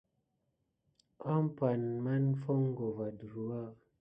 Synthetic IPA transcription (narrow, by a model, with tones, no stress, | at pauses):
a˦m̩˦pa˨nma˦n˦fɔ˦ŋ˦ɡo˨va˨dɾu˨a˦˨